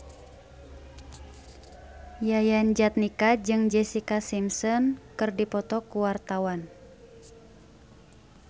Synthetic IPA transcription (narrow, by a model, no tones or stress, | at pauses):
jajand͡ʒat̪̚nikad͡ʒɨŋd͡ʒɛsikasimsɔnkɨrdipɔt̪ɔkuwart̪awan